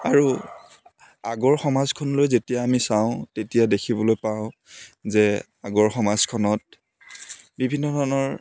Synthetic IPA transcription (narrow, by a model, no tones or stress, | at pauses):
aɹu | aɡɔɹxɔmazkʰɔnɔlojzetijaːmisaʊ̃tetijadekʰibɔlojpaʊ̃zɛ | aɡɔɹxɔmazkʰɔnɔt̚ | bibʱinːɔdʱɔnɔɹ